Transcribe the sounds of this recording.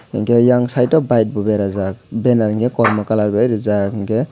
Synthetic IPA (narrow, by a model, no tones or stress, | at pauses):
ŋkejaŋsajtɔbajt̚bubeɾazak̚benaɾŋɡekɔɾmakalaɾbajɾɯzakŋɡe